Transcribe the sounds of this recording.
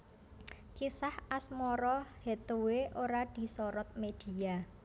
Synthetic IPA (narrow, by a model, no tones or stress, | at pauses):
kisahasmɔɾɔhet̪oweʔoɾad̪̥i̤sɔɾɔt̪̚med̪̥i̤ja